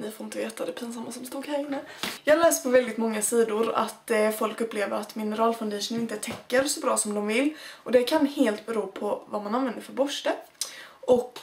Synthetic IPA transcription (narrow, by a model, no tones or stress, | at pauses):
nɪfoɾɪnt̪əveːt̪ad̪ɛpʰiːns̬amːasɔmst̪uːɡhæːɾɪnːəjɑːhaɾlɛːst̪pʰɔvɛld̪ɪt̪mɔŋːasiːd̪ʊɾa̰t̪fɔlkɵpːleːvəɾat̪mɪnəɾɑːlfaʊnd̪ɛʂənɪnt̪ət̪ʰɛkːəɾsɔbɾɑːsɔmd̪ɔmvɪlːʔɔd̪ɛkʰanheːlt̪bɛɾuːpʰɔvamananvɛnd̪əɾfœɾbɔʂʈəʔɔk